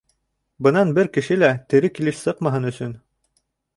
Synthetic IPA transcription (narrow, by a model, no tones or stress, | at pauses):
bɤ̆nɑnbɘɾkɘ̆ʃɘlæt̪ɘ̆ɾɘkilɘʃsɤqmɑɦɤnɵ̆sɵn